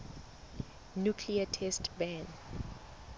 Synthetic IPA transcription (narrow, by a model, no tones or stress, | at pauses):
njukʰliatʰɛstbɛ̃n